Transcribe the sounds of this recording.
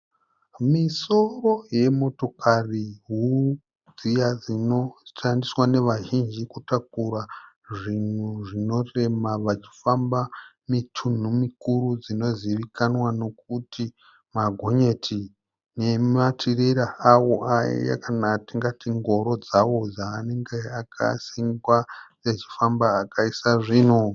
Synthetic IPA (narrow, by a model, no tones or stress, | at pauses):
miso̞ro̞je̞mo̞to̞kʰariɦu | d͡zijad͡zino̞ʃandiswane̞ʋaʒind͡ʒikutak̚ura | ʐin̤uʐino̞re̞maʋat͡ʃi̥famba | mitʰun̤umikuɾud͡zino̞ziʋikanwano̞k̚uti | maɡʱo̞ɲe̞tʰi | ne̞matʰiɾeɾaawoʔaḭja̰kanatiŋɡatiŋɡo̞ɾo̞d͡zawo̞d͡zaːne̞ŋɡeakʰa̰siŋɡwajet͡ʃi̥fambaːkaisaʐiːn̤u